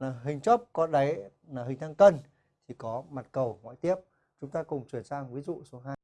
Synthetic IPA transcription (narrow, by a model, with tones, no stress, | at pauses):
laː˨˩ɦï˨˩ŋ̟t͡ɕɔ˦˥p̚kɔ˨˦ɗə˨˦j | aː˨˩ɦï˨˩ŋ̟t̪ʰaː˧ŋkə˧n | t̪ʰi˨˩kɔ˨˦ma˨˩t̚kə˨˩wŋwa̰ː˧˨jt̪i˦˥əp̚ | t͡ɕʊ˨˦ŋ͡mt̪aː˧kʊ˨˩ŋ͡mt͡ɕwi˧˩ənsaː˧ŋvi˨˦zṵ˧˨so˨˦ɦaː˧jj